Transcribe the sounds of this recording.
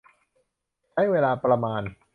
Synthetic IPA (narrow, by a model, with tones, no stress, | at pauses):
t͡ɕʰa˦˥˩jweː˧laː˧pɾa˧maː˧n